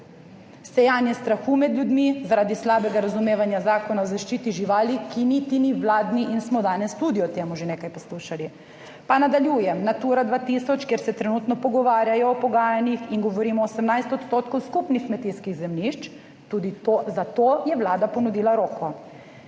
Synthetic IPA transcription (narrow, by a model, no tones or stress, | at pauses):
sɛjaːnjɛst̪ɾaxuːmɛd̪lʲjud̪mizaɾaːd̪islaːbɛɡaɾazumeːʋanjazaːkɔnaɔzaʃt͡ʃiːt̪iʒiʋaːlikinit̪iniʋlaːd̪niʔinsmɔd̪aːnɛst̪uːd̪iɔt̪eːmuʒeneːkajpɔsluːʃali | panad̪aljuːjɛmnat̪uːɾad̪ʋaːt̪isɔt͡ʃkjeɾsɛt̪ɾɛnut̪nɔpɔɡɔʋaːɾjajɔːpɔɡaːjanixiŋɡɔʋɔɾiːmɔːsɛmnajst̪ɔt̪st̪oːt̪kɔwskupnixkmɛt̪iskiɣzɛmniʃt͡ʃ | t̪ud̪it̪ozat̪ojɛʋlaːd̪apɔnud̪iːlaɾoːkɔ